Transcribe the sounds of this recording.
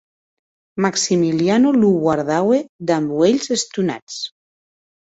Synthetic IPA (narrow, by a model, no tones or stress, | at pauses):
maksimilianoluβwaɾðawed̪ambweʎzest̪una̰t͡s